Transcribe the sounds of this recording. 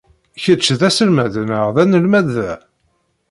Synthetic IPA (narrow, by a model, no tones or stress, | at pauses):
çət͡ʃːðæsəlmæðnəʁðænəlmæðæ